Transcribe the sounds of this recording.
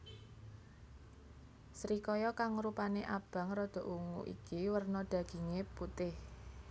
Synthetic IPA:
sɾikɔjɔkaŋɾupaneʔab̥ä̤ŋɾɔd̪̥ɔ̤ʔuŋṵʔḭkiwərnɔɖ̪̥ä̤ɡ̥i̤ŋeput̪ɪh

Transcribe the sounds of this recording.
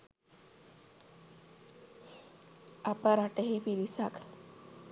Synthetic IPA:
apəɾaʈəɦepiɾisak

